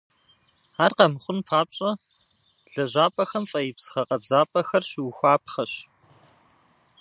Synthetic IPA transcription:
aːrqɐmɨχʷʊnpʰaːpɕʼɐ | ɮɐʑʷaːpʼɐxɐmfʼɐjɪpsɨ̥χɐqɐbzaːpʼɐxɐrɕwxʷaːpχɐɕ

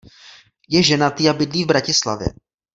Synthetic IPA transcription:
jɛʒɛnat̪ɪjabɪdliːvbɾacɪsla̰vjɛ̰

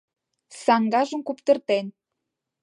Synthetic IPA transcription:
sɑŋɡɑʒə̆mkupt̪ə̆rt̪en

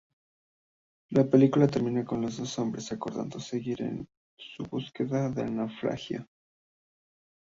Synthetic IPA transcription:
lape̞likulat̪e̞ɾmĩnako̞nlo̞zðo̞so̞mbɾe̞sako̞ɾða̰nd̪o̞se̞ɣiɾe̞̰n | suβuske̞ðaðeanawfɾa̰xja̰

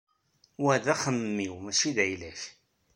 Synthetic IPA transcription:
wæðæχəmːiwmæʃiðæjlæç

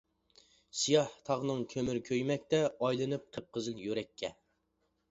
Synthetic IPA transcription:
sijɑht̪ʰɑʁnɨŋkʲʰømyɾkʲʰøjmɛk̚ʲt̪ɛɑjlˠɨnɨp̚qʰəp̚qəzɨljøɾɛkʲʰːɛ

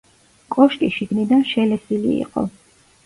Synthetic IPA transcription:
kʼɔʃkʼiʃiɡnid̪anʃɛlɛsilḭḭqʼɔ̰

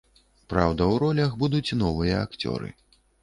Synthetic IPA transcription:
pɾawd̪ɐwɾɔlʲɐxbud̪ut͡sʲnɔvɨjɐakt͡sʲɔ̰ɾɨ̰

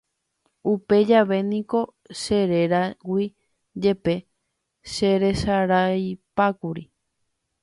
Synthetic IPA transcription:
upe̞d͡ʒaʋe̞nĩko̞ | ʃe̞ɾe̞ɾawʷi | d͡ʒe̞pe̞ | ʃe̞ɾe̞ʃaɾajpakuɾi

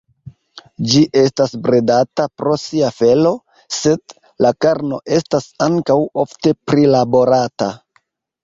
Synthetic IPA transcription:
d͡ʒiʔe̞stasbɾedatapɾo̞siafe̞lo̞ | se̞d | lakaɾno̞̰ʔe̞stasaŋkawo̞fte̞pɾilabo̞ɾata

